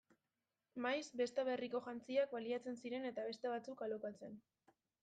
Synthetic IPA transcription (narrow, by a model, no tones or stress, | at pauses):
majsbe̞st̪aβe̞riko̞ʝant͡siak̚baliat͡se̞nsiɾe̞ne̞t̪aβe̞st̪e̞β̞at͡sukalokat͡se̞n